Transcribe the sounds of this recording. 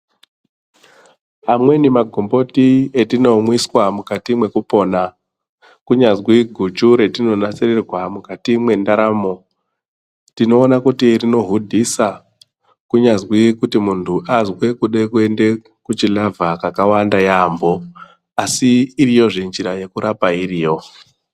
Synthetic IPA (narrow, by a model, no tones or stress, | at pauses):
amwe̞nimaɡʱombo̞tietino̞mwiswamukatimwe̞kupo̞na | kuɲazwiɡʱut͡ʃuɾe̞tino̞nasererwamukatimwe̞ndaɾaːmo̞ | tino̞ːnakutirino̞ɦudʱisa | kuɲazwikutimuntʰuʔazwekuɗekue̞nde̞ | kut͡ʃilavʱakakawandajambo̞ | asiːɾijo̞ʐind͡ʒiɾaje̞kuɾapairiːjo̞